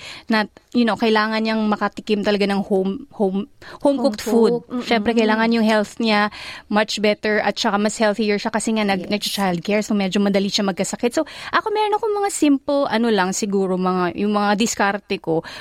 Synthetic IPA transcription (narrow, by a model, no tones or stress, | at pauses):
nɐt̪̚jʊnokɐɪlaːŋɐnɲɐŋmɐkɐt̪ɪkɪmt̪ɐlɐɡanɐŋhomhomhowmkokt̪fud̪̚ʃɛmpɾɛkɐjlaːŋɐnjʊŋhɛlθɲamat͡ʃbɛt̪ɛɹʔɐt̪̚t͡ʃɐkamɐshɛlθijɛɹʃakɐsɛŋanɐɡnɐɡ̚t͡ʃɐt͡ʃajld̪̚kɛɹsomɛd͡ʒomɐd̪ɐliʃamɐɡ̚kɐsɐkɪt̪̚so̞ʔɐko̞mɛːɾonɐko̞ŋmɐŋasimplʔɐno̞lɐŋsɪɡuːɾo̞mɐŋajʊŋmɐŋad̪ɪskaɾt̪ɛko̞